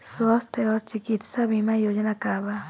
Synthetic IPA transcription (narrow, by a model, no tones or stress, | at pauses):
soast̪eoɾt͡ʃɪkit̪saβimajod͡ʒanakaβa